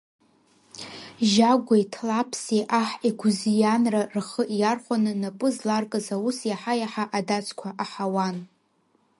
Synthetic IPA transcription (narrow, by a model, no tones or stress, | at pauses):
ʒaɡʷajtʰlapʰsiʔaħiɡʷuzijanrarχəʔjarχʷanɨnapʼɨzlarkʼɨzawusjaħajaħaʔadat͡sʰʼkʷʰaʔaħawan